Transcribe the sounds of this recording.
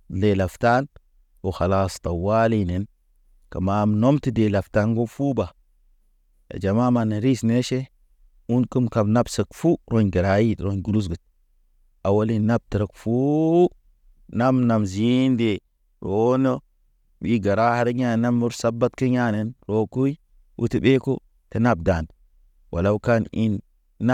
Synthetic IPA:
le˨la˨fta˦n | wo˨xa˨la˦˨sta˨wa˦li˦ne˨n | ka˨ma˦m˨no˦mti˦de˨la˨fta˦nɡo˦fu˦ba˨ | a̰˨d͡ʒa˨ma˦ma˨nːe˨ɾi˦sne˦ʃe˦ | u˦nki˦mka˨bna˦bsə˨kfu˦ɾo˦nɡi˨ɾa˨ji˦dɾo˦nɡu˨ɾu˦s̬ɡi˨t̚ | a˨wa˦li˦nna˦b̚ti˨ɾə˨kfu˦ | na˦mna˨mzi˦nde˨ | ɾo˨˦no˦ | ɓi˦ɡa˨ɾa˦ha˨ɾi˦ɲa˦˨na˦mːu˦ɾsa˦bːa˦tki˦ɲa˦ne˦nɾo˦ku˦i˦ | wʔṵ˦ti˨be˦ko̰˦ | ti˦na˦b̚da˨n | wʔa˨la˦wu˦ka˦ni˦nː˦

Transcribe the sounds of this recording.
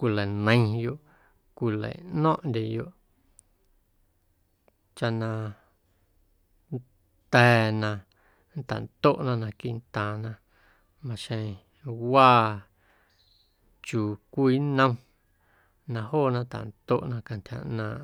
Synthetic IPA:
kʷi˧˨lə˨nə̃˧˦˧jo˧˨ʔ | kʷi˧lə̰˨nɔ̃˦ʔnd̪ʲe˨jo˧ʔ | t͡ʃa˧nã˧ | n | t̪ɛː˧nã˧ | nt̪a̰˨nt̪o˦˨ʔnã˧nã˧ki˧˨ʔnt̪ãː˨nã˧ | mã˧ʃẽ˧ | waː˦˨ | t͡ʃuː˨kʷiː˧˦nə̃˧w̃ | nã˧hoː˦˨nã˧t̪a̰˨nt̪o̰˦˨ʔnã˧kã˧nt̪ʲha̰˧˨ʔnãː˧ʔ

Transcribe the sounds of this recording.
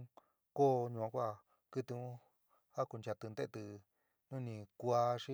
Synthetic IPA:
koː˦ɲũ˧˨ã˧kʷa˦˨ | kɨ˧t̪i˧ũ˦ | a˦ku˧nt͡ʃa˧t̪ɨ˧nd̪e˦˧t̪ɨ˧ | nũ˦nĩ˧kʷa˧ʂi˦

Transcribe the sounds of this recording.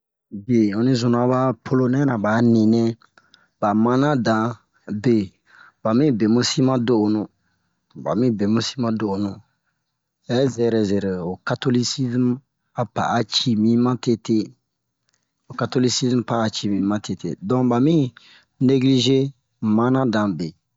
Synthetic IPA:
be˨ɔ̃˨nĩ˦zũ˨ñ˨a˨ba˦pʰo˦lo˦nɛ̃˦nã˨ba˨˦nĩ˨nɛ̃˦ | ba˨mã˦nã˦dã˨ | be˨ | ba˨mĩ˦be˨mũ˦si˦mã˦do˦ʔo˨nũ˨ | ba̰˨mĩ˦be˨mũ˦si˦mã˦do˨o˨nũ˨ | ɛ˨˦zɛ˨ɾɛ˨zɛ˨ɾɛ˨o˨ka˦to˦li˦si˦zm˦ | a˨pa̰˨ʔa˨t͡ʃi˦mĩ˦mã˦te˦te˦ | o˨ka˨to˦li˦si˦zm˦pa˨a˨t͡ʃi˨mĩ˨˦mã˦te˨tḛ˨dɔ̃˦ba˨mĩ˦ | ne˦ɡli˦ʒe˦ | mã˦nã˦dã˨be˨

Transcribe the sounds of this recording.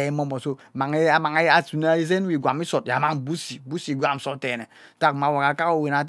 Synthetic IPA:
e˨˦mo˦mɔ˨so˦˨ma˨ŋe˦a˦ma˨ŋ˦a˦su˨n˦a˦i˦ze˦n˦wi˨ɡʷa˨mi˦sɔ˨t̚ja˨ma˦ŋbu˦si˨bu˦si˨ɡʷa˦˨m̩˨so˨˦tɛ˨nɛ˨ | ta˦˨kma˨wa˨ka˨˦ka˦o˦˨we˨na˨t̬

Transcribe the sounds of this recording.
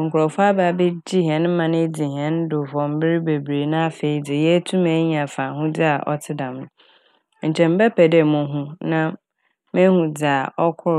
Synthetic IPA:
ŋ̩˨kʰʊ˨ɾɔ˨fʊ˦a˦ba˨be˦d͡ʑi˦ɦɛ̃˨n̩˦ã˨nɪ̃˦d͡zi˨ɦɛ̃˦n˦dʊ˨fɔ̃˨m̩˦bɪ˦ɾi˦be˨bɾe˨nã˦fe˨i˨d͡zɪ˨jɛ˦tʰũ˦me˨˦ɲĩ˨a˨fa˨ɦũ˦d͡zɪ˦a˨ʔɔ̰˦tʰɪ˦dã˨mnʊ̃˨˦ | ɲ̩˨t͡ɕʰɛ̃˨m̩˦bɛ˦pʰɛ˨de˦˨mʊ̃˨˦ɦũ˦nã˦ | mɛ̃˦hũ˨d͡zɪ˨a˨ʔɔ˦kʰʊ˦

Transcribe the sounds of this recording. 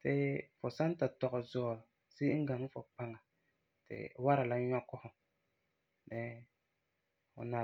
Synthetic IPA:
tɪ˦fʊ˨sa˦n˦ta˨tɔ˨ɣʊ˨zɔː˦˨ | si˦ŋ̩˦ɡa˨ŋ˦fʊ˨pa˦ŋa˨ | tɪ̰˨wa˦ɾa˨la˦ɲɔ˦kʊ˦hʊ˨m | nɪ˦ | ʊ̰˨na˨

